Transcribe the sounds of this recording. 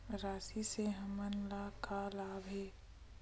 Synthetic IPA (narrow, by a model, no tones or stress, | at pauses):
ɾaːsiseɦɐmənlakalaːbʱeː